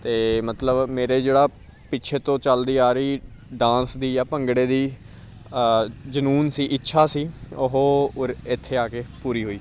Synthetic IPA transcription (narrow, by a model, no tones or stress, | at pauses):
t̪eːmət̪ləbmeːɾeːd͡ʒeːɽaː | pɪtːt͡ʃʰeːt̪õːt͡ʃəld̪iːaːɾiː | ɖãːnsd̪iːjaːpəŋɡɽeːd̪iː | d͡ʒənuːnsiːʔɪtːʃʰaːsiːʊɦoːɾɪt̪ʰːeːaːkeːpuːɾiːɦoːiː